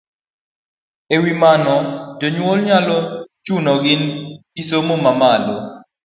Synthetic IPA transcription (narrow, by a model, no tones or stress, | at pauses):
ewimanɔd͡ʒoɲwolɲalɔt͡ʃunɔɡɪnɡisomomamado